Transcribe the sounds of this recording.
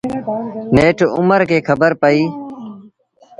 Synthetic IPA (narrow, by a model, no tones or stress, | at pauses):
neːʈʊ̰məɾkeːkʰɐbəɾpəiː